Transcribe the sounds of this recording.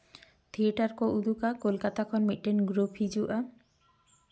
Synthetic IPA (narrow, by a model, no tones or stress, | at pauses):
t̪ʰieʈaɾkoʔud̪ʱukakolkat̪akʰɔnmiʈːenɡɾopʰid͡ʑuʔa